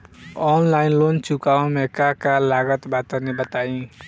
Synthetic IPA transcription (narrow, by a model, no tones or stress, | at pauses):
ɔnlaɪnlont͡ʃukaõmekakalaɡət̪bat̪ənebət̪aĩ